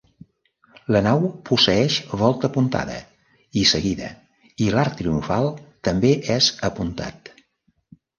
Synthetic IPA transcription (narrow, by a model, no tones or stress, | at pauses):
lənawpusəɛʃβɔlˠt̪əːpunt̪a̰ðə̰ | isəɣiðə̰ | ilaɾːɾiuɱfalˠt̪əmbeʔɛzəpunt̪a̰t̪